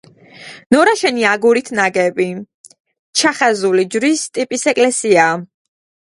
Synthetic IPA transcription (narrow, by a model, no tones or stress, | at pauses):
nɔɾaʃɛniaɡuɾit̪ʰnaɡɛbi | t͡ʃʰaχazulid͡ʒɾist̪ʼipʼisɛkʼlɛsia